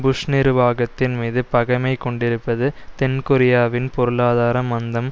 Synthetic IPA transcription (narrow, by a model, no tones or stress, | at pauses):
bʊʂnɪɾɯʋaːɣɐt̪ːɪnmiːðɯpɐɣɐmɐɪkːɔɳɖɪɾɯpːɐðɯt̪ɛnkʊɾɪjaːʋɪnpɔɾɯɭaːðaːɾɐmɐnd̪ɐm